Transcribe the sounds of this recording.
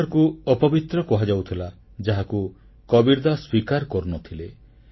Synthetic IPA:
ɾkuɔpɔbit̪ɾɔkɔɦad͡ʒawt̪ʰila | d͡ʒaɦaku | kɔbiɾd̪aswikaɾkɔɾunɔt̪ʰile

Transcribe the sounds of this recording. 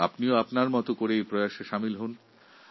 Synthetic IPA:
a̰pnioapnaɾmɔt̪okoɾejpɾojaʃeʃamilɦun

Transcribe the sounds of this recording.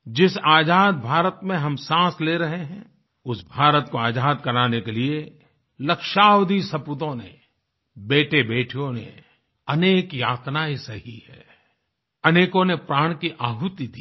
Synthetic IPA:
d͡ʒɪsaːd͡ʒaːd̪̚bʱaːɾət̪mẽɦɐmsãːsleɾɐɦeɦɛ̃ | ʊsbʱaːɾət̪koaːd͡ʒaːd̪kɐɾaːnekelie | lɐkʃaːwd̪ʱisɐpʊt̪õnḛ | beːʈʰebeːʈʰijõnḛ | ɐneːkjaːt̪naːisɐɦihɛ̰ː | ɐneːkõnepɾaːɽ̃kiʔaːɦut̪id̪i

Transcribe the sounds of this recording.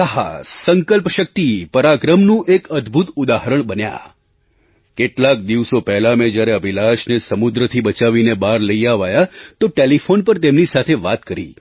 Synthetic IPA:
əɦa̰səŋkəlpʃək̚t̪ipəɾaɡɾəmnũʔekəd̪bʱut̪ud̪aɦəɾəɳ̃bənja̰ | keʈlak̚d̪iʋsopɛɦlamẽd͡ʒjaɾeəbʱilaʃnesəmud̪ɾət̪ʰibət͡ʃaʋinebaɾləiaʋajat̪oʈelifʰonpəɾt̪emnisat̪ʰeʋat̪kəɾḭ

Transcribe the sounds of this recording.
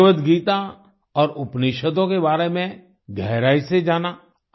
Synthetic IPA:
ʋət̪ɡiːt̪a | ɔːɾʊpniʃəd̪õkebaːɾemẽ | ɡʱɛɦɾaːised͡ʒaːnaː

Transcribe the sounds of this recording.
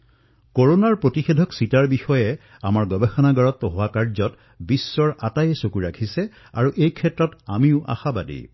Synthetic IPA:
koɹonaɹpɹotixedʱɔksitaɹbixɔjɛ | amaɹɡɔbɛxɔnaɡaɹɔtːɔɦʊwakaɹzɔt | bisːɔɹatajɛsokuɹakʰisɛ | a̰ɹuʔejkʰɛtɹɔtamiʊʔa̰xaba̰dḭ

